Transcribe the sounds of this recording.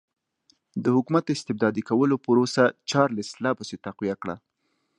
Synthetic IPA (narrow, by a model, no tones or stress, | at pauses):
d̪əhʊkumat̪̚d̪əɪst̪ɪb̚d̪ɑd̪ikawəlopəɾosat͡ʃɑɾlɪslɑpəset̪aqwijakɽa̰